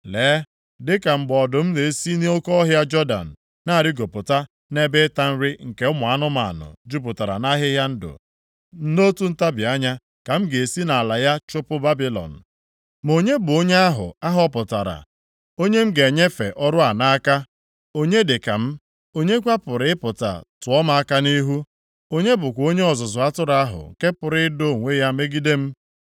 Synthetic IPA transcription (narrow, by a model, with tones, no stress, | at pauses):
leː˨˦ | dɪ˦ka˨m̩˨ɡ͡bɔ˨dʊ˨m̩˦ne˨e˦si˦ne˦o˦kɔ˦ɔ˦ɦja˦d͡ʒɔ˦da̰˨n̩˨ | na˦˨ɾɪ˦ɡo˨pʊ˨ta˦ | ne˦bɪ˦ta˦n̩˦ɾɪ˦ŋ̩˨ke˨ʊ˦mʊ˨a˦nʊ˦ma̰˨nʊ̰˨d͡ʒu˦p̬ʊ˨ta˨ɾa̰˨na˦ɦɪ˦ɦja˦n̩˦dʊ̰˨ | n̩˦no˦tu˦n̩˦ta˦bɪ˨a˦ɲa˦ | ka˨m̩˦ɡe˨e˨si˦na˨a˨la˨ja˦t͡ʃʊ˦pʊ˦ba˦bi˦lɔ̰˨n̩˨ | mo˨ɲe˦bʊ˨o˦ɲe˦a˦ɦʊ̰˨a˦ɦɔ˦pʊ˨ta̰˨ɾa̰˨ | o˦ɲe˦m̩˦ɡe˨e˨ɲe˦fe˨ʔɔ˦ɾʊ˦a˨na˦a˦ka˦ | o˦ɲe˦dɪ˨ka˨m̩˦ | o˦ɲe˦kʷa˦pʊ˨ɾɪ˦ɪ˦pʊ˨ta̰˨tʊ˨ɔ˦ma˦a˦ka˦ni˦ɦu˦ | o˦ɲe˦bʊ˨kʷo˦ɲe˦ɔ˨zʊ˨zʊ˨a˦tʊ˦ɾa˦a˦ɦʊ̰˨ŋ̩˨ke˦pʊ˨ɾɪ˦do˦˨ŋʷe˦ja˦me˦ɡi˦de˦m̩˦